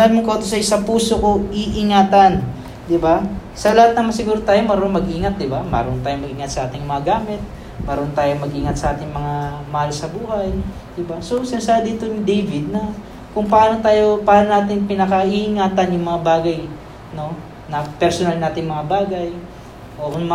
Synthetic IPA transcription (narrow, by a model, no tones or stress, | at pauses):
anmoŋkot̪osɐʔɪsaŋpuːsoko̞ʔiʔɪŋaːt̪ɐn | d̪ɪba | sɐlɐhat̪̚nɐmɐsɪɡuːɾot̪aːjomɐɾoŋmɐɡʔiːŋɐt̪̚d̪ɪbamɐ̰ɾont̪aːjomɐɡʔiːŋɐt̪sɐʔaːt̪ɪŋjŋmɐŋaɡaːmɪt̪̚ | mɐɾont̪aːjomɐɡʔiːŋɐt̪sɐʔaːt̪ɪŋmɐŋamɐhalsɐbuːhaj | d̪ɪbaso̞sɪnasaːd̪it̪onɪd̪ejvɪd̪̚nɐ | kʊŋpɐʔaːnot̪aːjo̞pɐʔaːnonaːt̪ɪŋpɪnɐkɐʔiʔɪŋaːt̪ɐnjʊŋmɐŋabaːɡɐj | no̞ | nɐpɛɾsonalnaːt̪ɪŋmɐŋabaːɡɐj | ʔokʊnm